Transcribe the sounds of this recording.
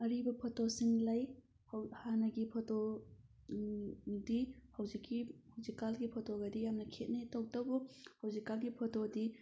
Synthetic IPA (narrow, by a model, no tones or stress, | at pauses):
ɐɾibɐpʰotosiŋlɐj | hhanɐɡipʰoto | dihɐwzikːihɐwzikalɡipʰotoɡɐdijamnɐkʰet̚netowtɐbuhɐwzikalɡipʰotodi